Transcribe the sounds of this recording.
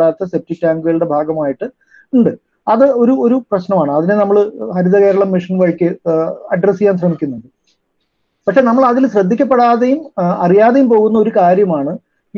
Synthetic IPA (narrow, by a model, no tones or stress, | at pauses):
aːɾɐt̪ːɐsep̚tik̚taːŋɡɨɣɐɭɽe̞bʱaːɡɐmaːjiʈːɨ | uɳɖɨ | ɐðɨo̞ɾuo̞ɾuprɐɕnɐmaːɳɨɐðinenɐmːɐɭhɐɾuðɐɣeːɾuɭɐmːiʂɐnʋɐɻkʲːɨɐɖrɐsijaːnt̪rɐɳikʲːunːuɳɖɨ | pɐkʂe̞ːnɐmːɐɭɐðilɕrɐd̪ʱːikʲːɐpːeɽaːðejumɐrijaːðejumpo̞ːɣunːɐo̞ɾukaːɾjɐmaːɳɨ